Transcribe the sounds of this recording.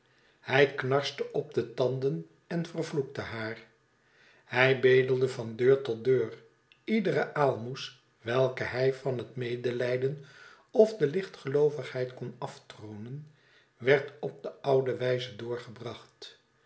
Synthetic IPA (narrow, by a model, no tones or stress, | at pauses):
hɛjknɑɹstəʔɔb̚dətɑndən | ɛnvərvluk̚təɦaːr | hɛjbejdəlˠdəvɑndøːɹtɔdøːr | idərəʔaːlˠmus | ʋɛlˠkəɦɛjvɑnɦətmejdəlɛjdən | ɔvdəlɪχtχəlowvəχɦɛjtkɔnɑftrownən | ʋɛɹtɔp̚d̥əɑwdəʋɛjzədʊːɹχəbrɑχt